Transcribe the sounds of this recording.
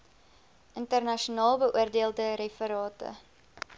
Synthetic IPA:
ʔəntərnɐʃuonɑːlˠbəʔuərdeəlˠdəɾefəɾɑːtə̰

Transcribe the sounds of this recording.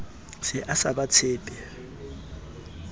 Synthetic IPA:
sɪʔasabat͡sʰɪːpʼɛ

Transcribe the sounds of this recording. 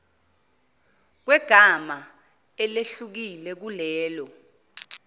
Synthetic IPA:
k̬wɛɡ̥ʱama | ɛleɬuk̬ilɛk̬ulɛːlɔ

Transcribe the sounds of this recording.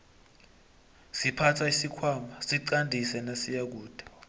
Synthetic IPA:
sipʰatʰaisikʰwaːmasiǀandʱisɛnasijak̬uːd̥ʱḁ

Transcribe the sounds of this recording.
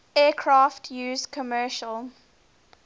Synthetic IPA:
ɛːkʰɹɑːftʰjʉːzkʰɔmɜːʃəlˠ

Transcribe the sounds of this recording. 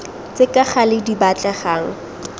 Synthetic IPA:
t͡sɪkʼaχalɪdibat͡ɬʼaχarɔ̰

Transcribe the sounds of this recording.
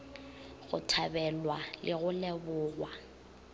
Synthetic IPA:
ɣʊ̰tʰabɛlwalʔɪɣʊlɛbʊːɣwa

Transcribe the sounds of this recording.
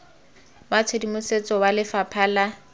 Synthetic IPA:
mat͡sʰedimʊset͡sʼɔwalɪfapʰaːla

